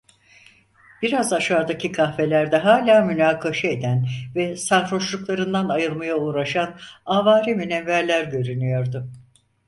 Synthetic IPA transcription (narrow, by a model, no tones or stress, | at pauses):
b̥iɾazaʃaːd̪acʰikʰahfe̞lʲæɾd̪ɛɦaːlʲaːmynaːkʰaʃɛed̪ænvɛsaɾɾo̞ʃlˠuklˠaɾɯnd̪anajɯlˠmajauːɾaʃanavaːɾiminɛnvæɾlʲæɾɟø̞ɾynyjo̞ɾd̪ʊ